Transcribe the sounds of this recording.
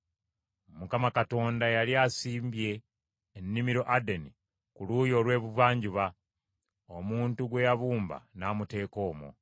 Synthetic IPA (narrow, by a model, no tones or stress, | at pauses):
mukamakato̞ːndajaljaːsiːmbje̞ː | nːimiɾo̞ʔadeni | kuluːjo̞ːlwe̞ːβuvaːɲɟuβa | omuːntuɡwe̞jaβuːmba̰naːmute̞ːko̞ːmo̰